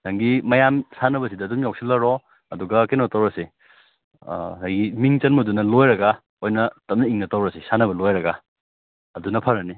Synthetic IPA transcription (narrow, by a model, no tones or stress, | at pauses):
taŋɡimɐjamsanɐbɐsidɐːdumjawksilɐɾɔ | ɐduɡɐkenotɐwɾɐse | hajɡimiŋt͡ʃɐnmudunɐlojɾɐɡɐ | ojnɐtɐm̚nɐiŋnɐtɐwɾɐsesanɐbɐlojɾɐɡɐ | ɐdunɐpʰɐɾɐni